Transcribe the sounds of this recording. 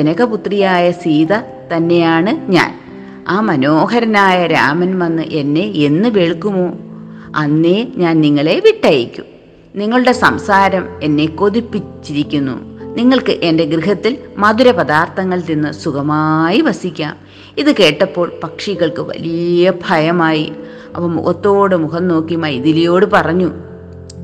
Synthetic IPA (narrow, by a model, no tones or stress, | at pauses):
tenɐɣɐput̪rijaːjɐsiːðɐ | t̪ɐnːe̞jaːɳɨɲa̰ːn | aːmɐno̞ːɦɐɾɐnaːjɐɾa̰ːmɐnmɐnːɨ̰ʔe̞nːe̞enːɨʋeɭkːumoː | ɐ̰nːeɲaːnniŋːɐɭe̞ʋiʈːɐjikʲːṵm | niŋːɐɭuɽe̞sɐmsaːɾɐme̞nːe̞ko̞ðipːit͡ɕːiɾikʲːunːṵniŋːɐɭkɨʔe̞nde̞ɡriɦɐt̪ːilmɐðuɾɐpɐðaːrt̪ʰɐŋːɐɭninːɨsukɐmaːjiʋɐsikʲːa̰ːm | iðɨke̞ːʈːɐpːo̞ːɭpɐkʂiɣɐɭkɨʋɐ̰lijɐbʱɐjɐmaːji | ɐ̰pːɐmːṵkɐt̪ːo̞ːɽɨmukɐnno̞ːkːijmɐːjiðilijo̞ːɽɨpɐrɐɲːu